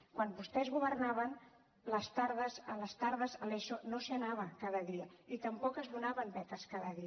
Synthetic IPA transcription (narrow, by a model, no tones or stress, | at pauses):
kwanbust̪ɛzɣuβərnaβən | ləst̪aɾðəzələst̪aɾðəzəleʃonosanaβəkaðəðiəit̪əmpɔkəzβunaβəmbɛt̪əskaðəði